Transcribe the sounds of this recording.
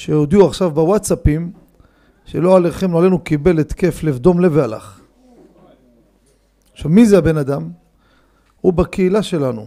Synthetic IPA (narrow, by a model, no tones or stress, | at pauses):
ʃejod̪iuaχʃavbawatsapim | ʃeloaleχemloale̞nukibe̞let̪ke̞flevd̪o̞mle̞veala̰χ | ʃamizeabe̞nad̪am | hubakeilaʃe̞lanṵ